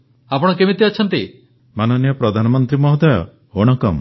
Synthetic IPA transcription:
apɔɽ̃ɔkemit̪iat͡ʃʰɔnt̪i | manɔnijɔpɾɔd̪ʱanɔmɔnt̪ɾimɔɦɔd̪ajɔ̰ | oɽ̃ɔkɔm

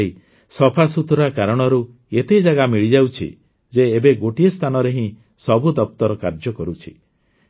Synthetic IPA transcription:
i | sɔpʰasut̪ɾakaɾɔɽ̃ɔɾu | et̪ed͡ʒaɡamiɭid͡ʒawt͡ʃʰḭ | d͡ʒeːbeɡoʈiest̪ʰanɔɾeɦĩ | sɔbʱud̪ɔp̚t̪ɔɾɔkaɾd͡ʒɔkɔɾut͡ʃʰi̥̰

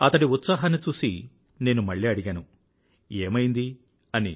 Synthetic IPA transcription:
ɐt̪ɐɽiut̪sɐːɦɐnːit͡ʃuːsi | ne̞ːnumɐɭːiːɐɽiɡaːnu | eːmɐjind̪i | ɐnḭ

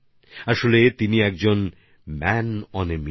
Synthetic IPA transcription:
aʃolet̪iniɛk̚d͡ʑon | mɛnɔnemi

